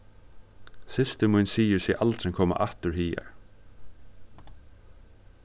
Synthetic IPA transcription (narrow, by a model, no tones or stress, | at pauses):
sɪst̪əmujnsiːjɪɹsɛʔalt̪ɾɪŋkʰɔːma̰ʔaht̪ʏɹhiːa̰ɹ